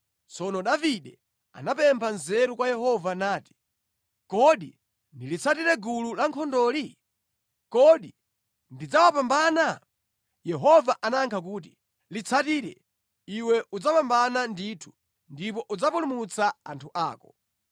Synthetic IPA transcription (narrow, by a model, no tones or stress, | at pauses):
t͡sɔnɔɗaviɗɛ | a̰napɛmpʰanzɛɾukwajɛhɔvanaːti̥ | kɔɗi | ndilit͡sʰatiɾɛɡululaŋkʰɔndɔːli | kɔɗi | ndid͡zawapambana | jɛɦɔvaʔanaŋkʰak̬uːt̬i | lit͡sʰatiɾɛ̰ | iwɛʔud͡zapambananditʰu̥ | ndip̬ɔʔud͡zapulumut͡saantʰuʔa̰ːkɔ̥